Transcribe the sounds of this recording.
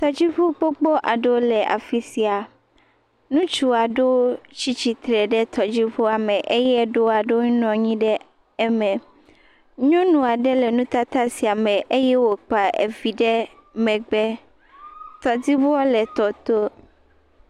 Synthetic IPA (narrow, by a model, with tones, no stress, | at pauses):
t̪ɔ˨d͡ʑi˦ɸo˦k͡po˦k͡pɔ˦ʔa˨ɖo˦lɛ˨ʔa̰˨fi˦si˨a˨ | nũ˦t͡ʃu˦a˨ɖo˦t͡ɕi˦t͡ɕi˨t̪ɾɛ˨ɖɛ˦t̪ɔ˨d͡ʑi˦ɸo˦a˨mɛ̃˨ʔe˦jɛ˦ɖo˦a˨ɖo˦ɲ˦nɔ̃˨ɲĩ˦ɖɛ˦ | ɛ˦mɛ̃˨ | ɲɔ̃˦nũ˨a˨ɖɛ˦lɛ˨nũ˦t̪a˦t̪a˦si˨a˨mɛ̃˨ʔe˦jɛ˦wo˨k͡pa˨ʔḛ˨vi˨ɖɛ˦ | mɛ̃˨ɡ͡bɛ˦ | t̪ɔ˨d̪i˦vo˦ɔ˦lɛ˨t̪ɔ˨t̪o˦